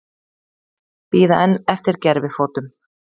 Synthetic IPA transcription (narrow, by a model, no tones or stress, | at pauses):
piːðaʔɛnːɛft̪ɪɾ̥cɛɾvɪðfoːt̪ʏm